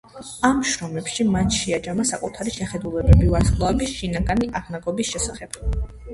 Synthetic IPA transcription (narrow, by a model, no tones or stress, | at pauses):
amʃɾɔmɛpʃimanʃɛad͡ʒamasakʼut̪ʰaɾiʃɛχɛd̪ulɛbɛbivaɾslˠaɛbisʃinaɡaniʔaʁnaɡɔbisʃɛsaχɛb̥